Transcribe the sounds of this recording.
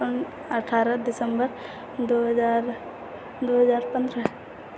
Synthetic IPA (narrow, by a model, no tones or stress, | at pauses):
ən | əʈʰaːɾəd̪ɪsəmbəɾ | d̪oɦəd͡ʒaːɾ | d̪oɦəd͡ʒaːɾpə̃nd̪ɾə